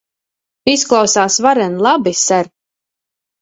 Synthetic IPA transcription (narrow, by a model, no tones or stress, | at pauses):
isklˠawsaːsvaɾɛnlˠabisæɾ